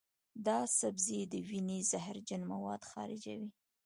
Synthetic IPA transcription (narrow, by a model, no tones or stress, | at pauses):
d̪ɑsabzed̪əwinezahɾd͡ʒanmawɑd̪xɑ̰ɾɪ̰d͡ʒa̰wi